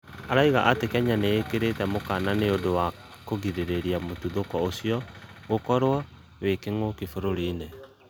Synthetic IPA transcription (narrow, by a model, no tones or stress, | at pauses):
aɾaiɣa̰ʔatekɛɲaneːkeɾetɛmokananeodowa | koɣiɾeɾeɾiamotuðokɔosiɔɣokɔɾwa | wekeŋokifoɾoɾine